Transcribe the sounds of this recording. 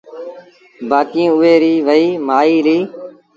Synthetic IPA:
baːkĩːʊʋeːɾiːʋəiːmaːiːliː

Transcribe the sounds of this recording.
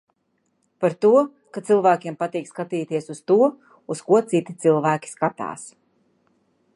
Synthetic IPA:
paɾt̪uɔ | kat̪silˠvæːkʲiɛmpat̪iːkskat̪iːt̪iɛsust̪uɔ | uskuɔt̪sit̪i̥t̪silˠvæːkʲi̥skat̪a̰ːs

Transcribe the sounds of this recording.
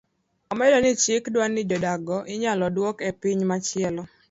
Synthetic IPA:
ɔmɛdɔnɪt͡ʃɪkdwanːɪd͡ʒɔdaɡɔʔɪɲalɔdwɔkepiɲmat͡ʃɪɛlɔ

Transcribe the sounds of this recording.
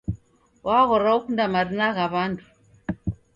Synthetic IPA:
wʔaɣɔɾaukundamaɾinaɣaβantʰu̥

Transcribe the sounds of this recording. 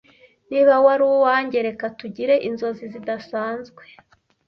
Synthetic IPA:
niβawaɾuwowaːɲɟe̞ɾe̞katuɟiɾe̞ʔinzo̞zizidasaːnzɡwe̞

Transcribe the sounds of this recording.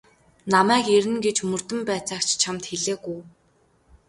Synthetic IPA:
namæːkeɾɘ̆nɡet͡ɕmɵr̥t̪ɘ̆mpæːt͡saːkt͡ɕt͡ɕʰamt̪xeɮeːɣuj

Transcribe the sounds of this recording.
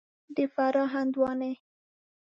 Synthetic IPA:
d̪əfaɾɑɦand̪wɑne

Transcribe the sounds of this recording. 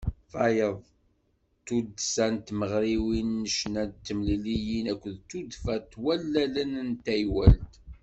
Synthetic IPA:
fæjəðˤ | t̪ud̪sænt̪məʁɾiwinːəʃnæt̪ːəmlilijinækʷːəðt̪ud̪fæt̪ːwælːælənnt̪æjwæ̰lt̪

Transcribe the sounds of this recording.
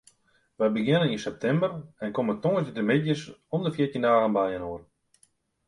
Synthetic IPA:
ʋəjbəɡɪnəninsɛp̚tʰɛmbərɛnkomətoŋəsdədəmɪdjəsɔndəfjɪtindaːɣənbajənoər

